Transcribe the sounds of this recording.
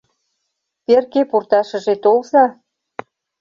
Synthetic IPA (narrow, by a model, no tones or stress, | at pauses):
perkepurt̪ɑʃɤ̆ʒet̪olzɑ